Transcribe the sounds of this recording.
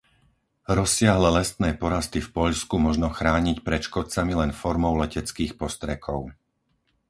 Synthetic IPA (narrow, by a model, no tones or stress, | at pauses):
ɾɔsːɪaɦlɛlɛst̪nɛːpɔɾast̪ifpɔʎskumɔʒnɔxɾaːɲicpɾɛt͡ʃkɔt͡samilɛnfɔɾmɔʊlɛcɛt͡skiːxpɔst̪ɾɛkʰɔʊ